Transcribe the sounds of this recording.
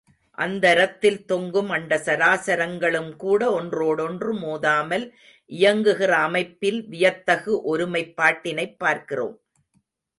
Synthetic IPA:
ʔɐnd̪ɐɾɐt̪ːɪlt̪ɔŋɡɯmɐnɖɐsɐɾaːsɐɾɐŋɡɐɭɯmkuːɽɐɔndroːɽɔndrɯmoːðaːmɐl | ʔɪjɐŋɡɯɣɪrɐːmɐɪpːɪlʋɪjɐt̪ːɐɣɯʔɔɾɯmɐɪpːaːʈːɪnɐɪpːaːɾkɪro̰ːm

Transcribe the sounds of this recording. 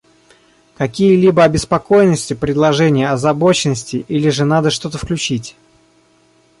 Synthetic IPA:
kɐkʲijəlʲibəɐbʲɪspɐko̞jnəsʲtʲɪpɾʲɪd̪lˠɐʐɛnʲɪjəɐzɐbo̞t͡ɕɪnːəsʲtʲɪʔilʲɪʐɨnad̪əʂt̪o̞t̪əfklʲʉt͡ɕitʲ

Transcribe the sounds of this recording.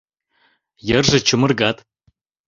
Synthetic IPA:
jɛrʒɨt͡ʃʰɨmɨrɡat̪ʼ

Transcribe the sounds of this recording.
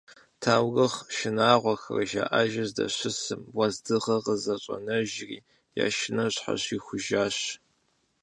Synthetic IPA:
tʰaːwɣɨχʃɪnaːʁʷɔxɐ̰rɐʒa̰ːʔaʒɐzdɐ̰ɕɪsɨmwɐzdɨʁɐʁəzɐɕʼɐnɐʒrḭː | ja̰ːʃɪnɐɕħa̰ɕiːxʷʊʒaːɕ

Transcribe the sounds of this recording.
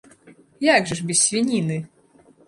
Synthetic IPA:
jaɡʐɨʂbʲɪssʲvʲinʲinɨ

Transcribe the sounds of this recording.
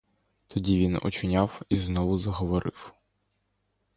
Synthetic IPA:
t̪ʰɔdʲiʋʲinɔ̰t͡ʃɪnʲawiznɔʋʊzɐɦɔʋɔɾɪ̰w

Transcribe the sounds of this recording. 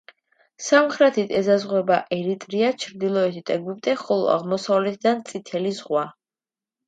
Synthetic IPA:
samχɾɛt̪ʰit̪ʰɛzazʁwɛbaʔɛɾit̪ʼɾiat͡ʃʰɾd̪ilˠɔɛt̪ʰit̪ʼɛɡwip̚t̪ʼɛχɔlˠɔ̰a̰ʁmɔsavlɛt̪̚ʰd̪ant̪sʼit̪ʰɛlizʁwa

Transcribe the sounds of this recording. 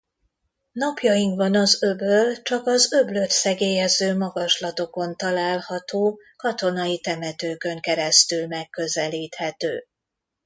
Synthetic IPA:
nɒpjɒjiŋkbɒnɒzøbølt͡ʃɒkɒzøbløt̪sɛɡeːjɛzøːmɒɡɒʃlɒt̪o̞ko̞nt̪ɒlaːlhɒt̪oː | kɒt̪o̞nɒjit̪ɛmɛt̪øːkø̞ŋkɛɾɛst̪ylmɛkːø̞zɛliːt̪hɛt̪ø̰ː

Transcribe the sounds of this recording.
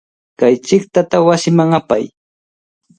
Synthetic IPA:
kajt͡ʃɪkt̪at̪awasɪmaŋapa̰j

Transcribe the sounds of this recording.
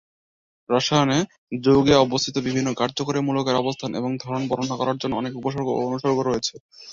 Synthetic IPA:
ɾaʃajone | d͡ʑoɡeɔbost̪ʰit̪obibʱinːokaɾd͡ʑokoɾemulokeɾɔbost̪ʰanʔḛboŋd̪ʱaɾonbɔɾonakɔɾaɾd͡ʑonːoɔnekupoʃoɾɡoonuʃoɾɡoɾojet͡ɕʰe

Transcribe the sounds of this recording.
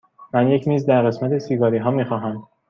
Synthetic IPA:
mænje̞cʰmiːzd̪æɾɣe̞smæt̪ʰesiɡɒːɾiːɦɒːmiːxɒːɦæm

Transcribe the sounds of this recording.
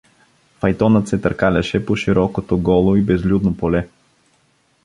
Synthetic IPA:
fɐjt̪ɔnət̪sɛt̪əɾkalʲɐʃɛpoʃiɾɔkot̪oɡɔlˠoibɛzlʲud̪nopolɛ

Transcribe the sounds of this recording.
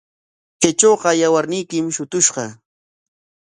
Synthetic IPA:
ket͡ʃoːɢɑjawaɾnɪjkɪmʃʊt̪ʊʃɢɑ

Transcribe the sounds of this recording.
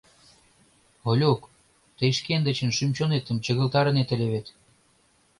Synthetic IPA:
olʲok | t̪əjʃkend̪ə̆t͡ɕə̆nʃymt͡ɕonet̪ə̆mt͡ɕə̆ɣə̆lt̪ɑɾə̆net̪ə̆lʲeβet̪

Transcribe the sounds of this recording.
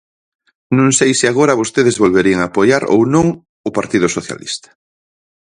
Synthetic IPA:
nõŋsejsɪaɣoɾaβ̞ost̪eð̞ezβolβeɾieŋapojaɾo̰wnõŋ | ʊpaɾt̪iðʊsoθja̰lḭst̪ḁ

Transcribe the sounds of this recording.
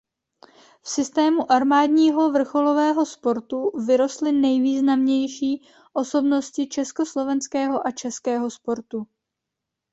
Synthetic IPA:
fsɪst̪ɛːmuʔaɾmaːdɲiːɦo̞vr̩xo̞lo̞vɛːɦo̞spo̞ɾt̪uvɪɾo̞st̪lɪnɛjviːznamɲɛjʃiː | ʔo̞so̞bno̞scɪt͡ʃɛsko̞slo̞vɛnskɛːɦo̞ʔat͡ʃɛskɛːɦo̞spo̞ɾt̪u

